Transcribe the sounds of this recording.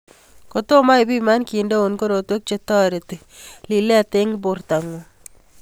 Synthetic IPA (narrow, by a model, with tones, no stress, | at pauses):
ko˨to˦ma˦jbi˦ma˦nki˨ndo˦o˨nko˦ɾo˨two˦k̚t͡ʃe˦tɔ˦ɾe˨ti˨ | li˨lɛ˦a˨te˦ŋbo˨rta˨ŋo˨